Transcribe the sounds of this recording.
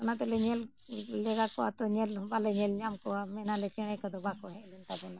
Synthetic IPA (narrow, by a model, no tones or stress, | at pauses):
ɔnat̪ɛlɛɲɛl | lɛɡakɔat̪ɔɲɛlbalɛɲɛlɲamkɔamɛnalɛt͡ʃɛɽ̃ɛkad̪ɔbakɔɦɛʔlɛnt̪abɔna